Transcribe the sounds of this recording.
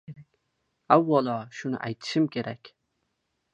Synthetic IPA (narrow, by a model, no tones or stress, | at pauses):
akʲ | awːɒlˠɒʃʊnɪ̰ʔajt̪ʰɪ̥ʃɪmkʲʰe̞ɾakʲ